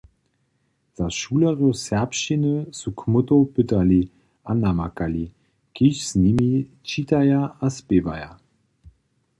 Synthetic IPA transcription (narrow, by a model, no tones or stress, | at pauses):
z̥aʃuːlɐʁosɛɐpʃinəsukʰmʊtopʏtɐli | ʔanamakali | kiʃsnimi | t͡ʃitajaaspeːvaja